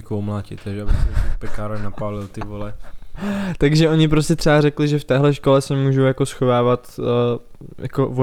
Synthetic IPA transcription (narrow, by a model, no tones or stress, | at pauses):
kowmlaːcɪ̰t̪aɡʒɛabɪsɛpɛkaːɾnapaːlɪlt̪ɪvolɛ | t̪aɡʒɛʔo̞ɲɪp̬ɾoscɛt̪r̥ɛaɾɛklɪʒɛft̪ɛːɦlɛʃko̞lɛsɛmuːʒowjako̞sxo̞vaːvat̪ː | ja̰ko̞vo